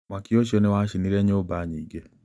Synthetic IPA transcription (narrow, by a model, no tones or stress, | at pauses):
makioʃiɔnewaʃiniɾɛɲobaɲiːɡɛ